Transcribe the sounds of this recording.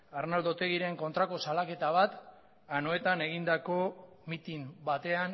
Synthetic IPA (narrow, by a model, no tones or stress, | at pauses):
arnald̪o̞t̪e̞ɣ̞iɾe̞ŋko̞nt̪ɾako̞salake̞t̪aβ̞at̪ | anoe̞t̪ane̞ɣind̪ako̞ | mit̪imbat̪e̞an